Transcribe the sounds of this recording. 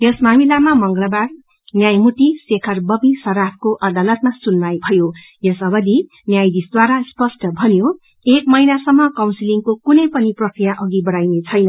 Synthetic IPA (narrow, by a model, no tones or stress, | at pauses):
jʌsmamilamamʌŋɡʌlʌbar | njajmut̪isekʰʌrbʌbisʌɾapʰkoʔʌd̪alʌt̪masunmajbʱʌjo | jʌsʌbʌd̪i | njajd̪isd̪waɾaspʌsʈʰʌbʱʌnjo | ekmʌinasʌmːʌkawnsiliŋkokunʌjpʌniprʌkrijaʔʌɡibʌɽajnet͡sʰʌjnʌ